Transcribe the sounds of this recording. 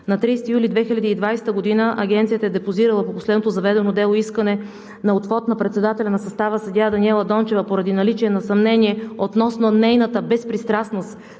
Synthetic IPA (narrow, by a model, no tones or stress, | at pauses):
nɐt̪ɾijst̪ijulid̪vɛxilʲɐd̪iːd̪vajsɛ̥t̪əɡod̪inəʔɐ̰ɡʲɛnt̪siət̪əɛd̪ɛpoziɾəlˠəpoposlɛd̪not̪ozɐvɛd̪ɛnod̪ɛlˠoiskənɛ | nɐot̪fɔt̪nɐpɾɛt̪sɛd̪at̪ɛlʲɐnɐsɐst̪avəsɐd̪ʲad̪ɐnʲiɛlˠəd̪ɔnt͡ʃɛvəpoɾɐd̪inɐlit͡ʃiɛnɐsɐmnɛniɛot̪nɔsnonɛjnət̪əbɛspɾist̪ɾasnost̪